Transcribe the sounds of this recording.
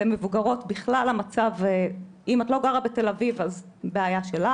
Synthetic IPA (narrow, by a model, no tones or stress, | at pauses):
emevuɡaʁo̞tbiχlalamat͡save | imat̪lo̞ɡaʁabete̞lavivaz | beajaʃe̞la